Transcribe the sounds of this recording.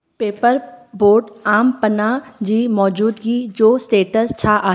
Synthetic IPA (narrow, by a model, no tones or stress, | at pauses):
peːpəɾboːɾɖaːmpənad͡ʒiːmɔːd͡ʒuːd̪ɡiːd͡ʒoːsʈeːʈəst͡ʃʰaʔaː